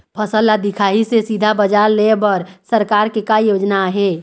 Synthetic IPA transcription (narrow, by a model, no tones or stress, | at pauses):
pʰəsəlad̪ikʰaɦisesid̪ʱabəd͡ʒaɾlebəɾsəɾkaɾkekajod͡ʒnaɦe